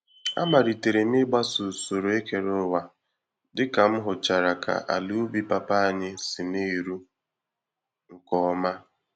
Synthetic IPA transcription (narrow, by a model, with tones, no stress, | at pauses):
a̰˦ma˨ɾi˨te˨ɾe˨nɪ˦ɡ͡ba˦sʊ˨so˨ɾo˨e˦ke˨ɾʊ˦wa˨ | dɪ˦ka˨m̩˦ɦʊ˨t͡ʃa˨ɾa˨kʰa̰˨ʔa̰˨lu˦bi˦pa˨pa˦a˨ɲɪ˦sɪ˨ni˦˨ɾu˦ | ŋ̩˨kɔ˦ɔ˦ma˦